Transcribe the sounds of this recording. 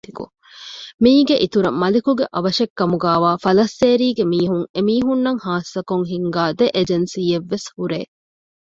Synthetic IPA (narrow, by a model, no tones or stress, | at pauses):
ikṵ | miːɡeʔit̪uɾɐmɐlikuɡeʔɐʋɐʃekːɐmuɡæːʋaːfɐlɐsːeːɾiːɡemiːɦuŋemiːɦunːɐŋhaːsɐkoŋɦiŋɡaːd̪eʔed͡ʒensiːeʋːeshuɾeː